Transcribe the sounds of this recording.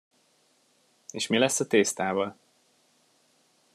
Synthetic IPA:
eːʃmilɛsːɒt̪eːst̪aːvɒl

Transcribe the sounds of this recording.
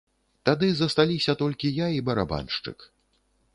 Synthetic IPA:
t̪ad̪ɨzɐst̪alʲisʲɐt̪ɔlʲkʲijaibɐɾa̰ba̰nʂt͡ʂɨ̰k

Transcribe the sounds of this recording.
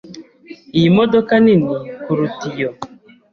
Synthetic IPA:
imɔdɔkaninikuɾutijɔ

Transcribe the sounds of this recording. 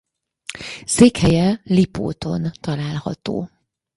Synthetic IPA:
seːkhɛjɛlipo̰ːt̪o̞̰nt̪ɒlaːlhɒ̰t̪o̰ː

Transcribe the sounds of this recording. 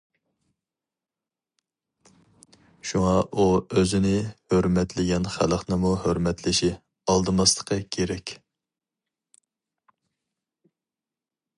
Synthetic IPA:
ʃuŋɑʔuøzɪnɪhøɾmɛt̪ʰlɪɡʲɛnχæ̰ləχnɨmuhøɾmɛt̪ʰlɪʃi | ɑlˠd̪ɨmɑst̪ˠə̥qʰɑkʲʰeɾɛkʲ

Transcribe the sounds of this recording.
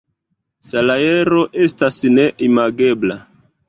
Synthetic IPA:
salae̞ɾo̞ʔe̞stasne̞ʔimaɡe̞bla

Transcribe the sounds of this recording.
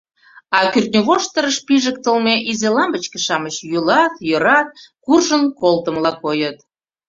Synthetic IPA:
ɑkyrt̪nʲoβoʃt̪əɾəʃpiʒək̚t̪əlmeʔizelɑmbət͡ɕkĕ̥ʃɑmət͡ɕjylɑt̪jøɾɑt̪̚kurʒənkolˠt̪ə̆mlɑkojət̪

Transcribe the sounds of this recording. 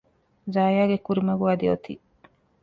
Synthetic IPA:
zaːjaːɡekuɾimɐɡuaːd̪iot̪ḭː

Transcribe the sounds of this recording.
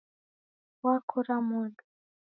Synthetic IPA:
wakʰuɾamudu

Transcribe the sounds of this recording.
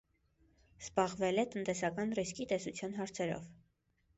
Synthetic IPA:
z̥bɑʁvɛlɛt̪ənt̪ɛsɑkɑnriskit̪ɛsut͡sʰjɑnɦɑɾt͡sʰɛɾɔ̰v

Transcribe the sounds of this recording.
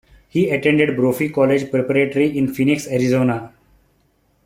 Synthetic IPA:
hiːəʈẽɳɖeɖbɾoːfikɔːled͡ʒpɾepəɾeːʈəɾiɪ̃nfinɪksɛɾizoːnaː

